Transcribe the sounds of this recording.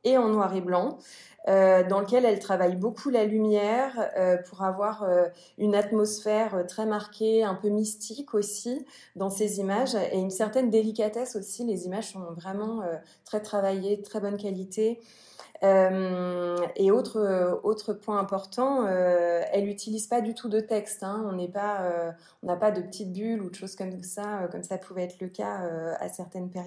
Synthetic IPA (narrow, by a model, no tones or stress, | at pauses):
eɑ̃nwaʁeblɑ̃ | ød̪ɑ̃lək̬ʲɛlɛlt̪χavajbokʰulalymjɛʁøpʰuʁavwaʁø | ynat̪mɔsfɛʁøt̪χɛmaʁkʲeɛ̃pømist̪ʰikʰosi | d̪ɑ̃sezimaʒeynsɛʁt̪ɛnd̪elik̬ʲat̪ɛsosilezimaʒsɔ̃vʁɛmɑ̃ø | t̪χɛt̪χavajeət̪χɛbɔnkalit̪e | øm | eot̪χəot̪χəpwɛ̃ɛ̃pɔʁt̪ɑ̃øɛlyt̪ʰilizpad̪yt̪ʰud̪ət̪ɛkst̪ɛ̃ɔ̃nɛpaø | ɔ̃napad̪əpət̪it̪̚bylud̪əʃoz̥kɔmsaøkɔmsapʰuvɛɛt̪χləkʲaøa̰sɛʁt̪ɛnpɛʁj